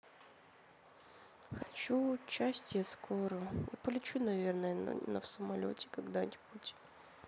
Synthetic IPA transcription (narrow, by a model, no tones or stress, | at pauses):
xɐt͡ɕut͡ɕːasʲtʲjaskʰoɾʊja̰pəlʲɪt͡ɕunɐvʲernəjən̰nə̰fsəmɐlʲo̰tʲɪ̥kɐɡd̪anʲɪbutʲ